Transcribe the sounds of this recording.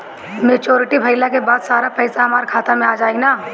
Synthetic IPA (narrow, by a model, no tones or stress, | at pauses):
meːt͡ʃoːɾɪʈibʱɐɪlakebaːd̪saːɾapɛɪsaɦɐmaːɾkʰaːt̪amẽaːd͡ʒaːenaː